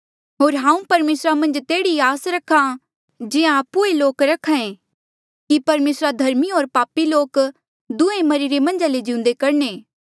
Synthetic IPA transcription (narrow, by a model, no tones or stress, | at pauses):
ɦoːɾɦãːũpɐɾmeːsɾamɐ̃nd͡ʒt̪eːɽiaːsɾɐkʰã | d͡ʒɪãːpueloːkɾɐkʰãẽ | kipɐɾmeːsɾad̪ʱɐɾmiɦoːɾpaːpiloːk | d̪ʊ̃ẽmɐɾiɾemɐ̃nd͡ʒaled͡ʒɪ̃ʊ̃nd̪ekɐɾneː